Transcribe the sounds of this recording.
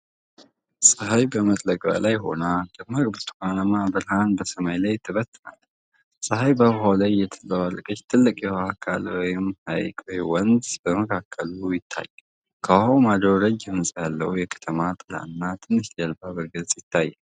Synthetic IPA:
sʼɨɦajbəmət̪ʼləɡʼba̰lajɦo̞̰nad̪̥ɨmaɡbɨt̪ʰukanamabɨɾɦanbəsəmajlajt̪ʰɨβət̪ːna̰l | sʼɨhajbəβɦawlajːɛt̪ʰɨlːəwalkʼət͡ʃt̪ʰɨlːɨkʼjɛhakʰa̰lwɔjɪmha̰jkʼwɔjwɔnd̪bəməkʰakʰːəlujɪt̪ʰːa̰jːa | kʰahawmad̪ɾoɾəd͡ʒɛmnsʼjalːəwjɛkʰə̥t̪ʰəmat̪ʼɨla̰nːat̪ʰɨnːɨʃlalbabəɾɡəsʼjɪt̪ʰːajːa

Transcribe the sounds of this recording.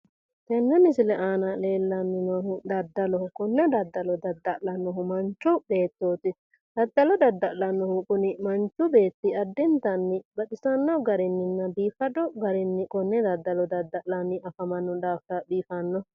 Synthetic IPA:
t̪ɛnːɛmɪsɪlɛʔaːnɐle̞ːlːɐnːɪnɔɦʊd̪ɐd̪ːɐlɔkʊnːɛd̪ɐd̪ːɐlɔd̪ɐd̪ːɐʔlɐnːɔɦʊmɐnt͡ʃːʊbe̞ːt̪ːoːt̪ɪ | d̪̥ɐd̪ːɐlɔd̪ɐd̪ːɐʔlɐnːɔhʊkʊnɪmɐnt͡ʃʊbe̞ːt̪ːɪɐd̪ːɪnt̪ɐnːɪbɐɗɪsɐnːɔɡɐɾɪnːɪnːɐbiːfɐd̪ɔɡɐɾɪnːɪkʊnːɛd̪ɐd̪ːɐlɔd̪ɐd̪ːɐʔlɐnːɪɐfɐmɐnːɔd̪aːft̪ɐbiːfɐnːɔ

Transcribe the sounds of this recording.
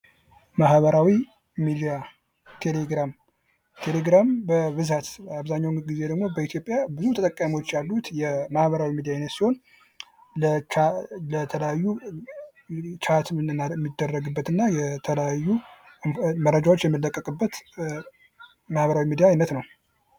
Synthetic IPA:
maɦβəɾawi | mid̪ija | t̪ʰe̞leɡɾam | t̪ʰele̞ɡɾambəβɨzat̪aβzaɲːawnɡize̞d̪əɡmo̞bəit̪ʰjo̞pʼjabɨzut̪ʰət̪əkʼːəmiwo̞t͡ʃːjalːut̪jɛmahβəɾawimid̪ijajnːət̪siho̞n | lət͡ʃalət̪ʰələjajːu | t͡ʃʰat̪mːid̪ːərːəɡɨbːət̪ɨnːajɛt̪ʰələjajːu | mərːəd͡ʒawo̞t͡ʃːjɛmːɨlːəkʼːəkʼɨbːət̪ | mahβəɾawimid̪ijaːjnət̪nəw

